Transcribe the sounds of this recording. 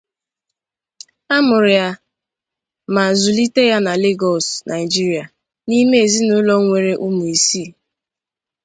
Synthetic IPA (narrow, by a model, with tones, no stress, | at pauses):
a˦mʊ˨ɾɪ˨ja˦ | ma˨zʊ˨li˦te˦ja˦na˨le˦ɡɔ˨snʔa˨ɪ˨d͡ʒi˦ɾi˨a˨ | ni˦me˦e˨zi˦nʊ˦lɔ˦ŋʷe˨ɾe˦ʔu˦mu˨e˨siː˦˨